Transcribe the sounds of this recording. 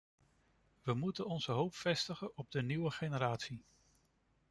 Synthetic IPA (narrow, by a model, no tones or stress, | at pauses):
ʋəmutənɔnz̥əɦowpfɛstəχənɔb̚dəniwəχenəɾaːtsi